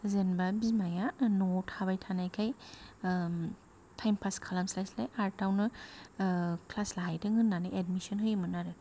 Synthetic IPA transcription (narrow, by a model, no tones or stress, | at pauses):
zenbabizmajanɔtʰabajtʰanajkʰaj | tʰajmpʰaskʰalamslajslajaɾtawnɯ | kʰlaslaɦajdɯŋɯnːanɯʔedmisɔnɦɯjmɯnaɾɯ